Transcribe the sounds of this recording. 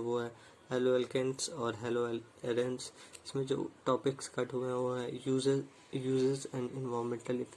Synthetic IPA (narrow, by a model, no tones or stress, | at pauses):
ʋoɦɛ | hɛːloɛlkẽɳʈsɔːɾɦɛːloɛleːɾə̃nsɪsmẽd͡ʒo̰ːʈɔːpɪkskɐʈɦueɦɛ̃ʋoːɦɛz | juːzəɾzɛ̃ːnɪ̃nʋɔːɾmẽɳʈəlɪfe